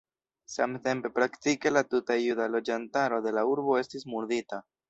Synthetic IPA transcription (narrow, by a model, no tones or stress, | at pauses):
samte̞mpe̞pɾaktike̞latutaijudalo̞d͡ʒantaɾo̞de̞lauɾbo̞e̞stismuɾdita